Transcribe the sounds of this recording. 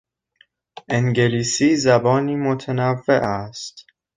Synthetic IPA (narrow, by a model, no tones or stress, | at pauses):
ʔeŋɟe̞liːsiːzæbɒːniːmot̪ʰænævːeʔæst̪